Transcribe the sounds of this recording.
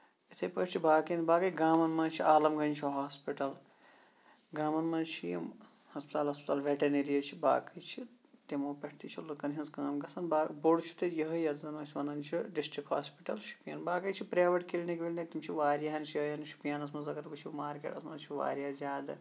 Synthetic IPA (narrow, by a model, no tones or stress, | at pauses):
it̪ʰɐjpɐʈt͡ʃʰibaːkinbaːkɐjɡaːmɐnmɐːt͡ʃʰiaːlɐmɡɐnʲt͡ʃʰiɦaːspiʈɐl | ɡaːmɐnmɐnt͡ʃʰijḭ | hɐspi̥t̪aːlɦɐspi̥t̪aːlʋʲeʈɐneɾijɐt͡ʃʰiba̰ːkɐjt͡ʃʰi | t̪emoːpʲeʈʰt̪it͡ʃʰilɨkɐnɦɐnsɡaːmɡɐsɐnbaːboɽt͡ʃʰu̥t̪ɐjɐɦɐjɐzɐnmɐsʲiʋɐnɐnt͡ʃʰiɖisʈɾikha̰ːspiʈɐlʃu̥pja̰ːnbaːkɐjt͡ʃʰipɾaːʋɐʈkilnekʋilʲnet̪imt͡ʃʰiʋaːɾjaɦɐnt͡ʃʰiɐjɐnʃu̥pijaːnɐs̬mɐzɐkɐɾbɐt͡ʃʰimaːɾkḛːʈɐsmɐt͡ʃʰiʋa̰ːɾijaːzʲaːd̪ɨ